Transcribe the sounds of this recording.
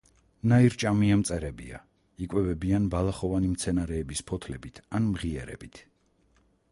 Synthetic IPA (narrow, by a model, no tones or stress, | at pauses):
naiɾt͡ʃʼamiamt̪sʼɛɾɛbia̰ | ikʼwɛvɛbianbalˠaχɔvanimt̪sʰɛnaɾɛːbispʰɔt̪ʰlɛbit̪ʰanmʁiɛɾɛ̰bit̪ʰ